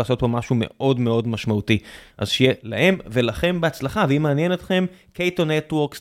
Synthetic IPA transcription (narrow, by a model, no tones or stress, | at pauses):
aːso̞t̚po̞maʃume̞̰ʔo̞dmeo̞dmaʃmautiʔa̰zʃejela̰he̞mve̞laχe̞mbeat͡slaχaveimeanjenet̪χe̞mkejtonetwoʁks